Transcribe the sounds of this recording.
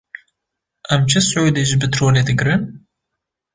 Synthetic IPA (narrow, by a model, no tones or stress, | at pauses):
ʔɐmt͡ʃʰɨsʕud̪eʒbɨt̪ʰɾoːled̪ɨɡɾɨn